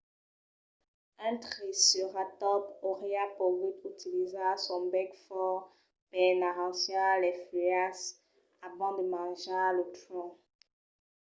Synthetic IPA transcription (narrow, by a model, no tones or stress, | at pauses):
ɛ̃tχisyʁatɔpoʁeapɔvitytilizasɔ̃bɛkfɔ | pɛnaʁɑ̃sjɔ̃alɛfyas | avɑ̃d̪əmɑ̃ʒalətlɔ̃